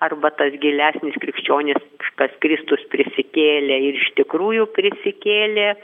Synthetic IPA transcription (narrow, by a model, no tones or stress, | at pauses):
ɐrbɐt̪ɐsɡʲɪlʲæːsʲnʲɪskɾʲɪkʃʲt͡ʃʲoːnʲɪsɐkɐskɾʲɪst̪ʊspʲɾʲɪsʲɪkʲeːlʲeɪɾɪʃt̪ʲɪkɾuːjʊpʲɾʲɪsʲɪkʲeːlʲeː